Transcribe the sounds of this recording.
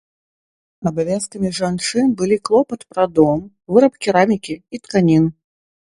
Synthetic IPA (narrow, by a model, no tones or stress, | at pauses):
ɐbavʲaskɐmʲiʐant͡ʂɨnbɨlʲiklˠɔpɐt̪pɾad̪ɔm | vɨɾɐpkʲiɾamʲikʲiit̪kanʲin